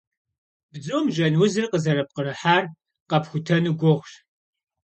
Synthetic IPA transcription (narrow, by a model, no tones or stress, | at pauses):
b̥d͡zoːmʒɐnwʊzɨrqəzɐɾɐp̚qərɨħaːr | qɐpxʷʊtʰɐnuɡʷɔʁɕ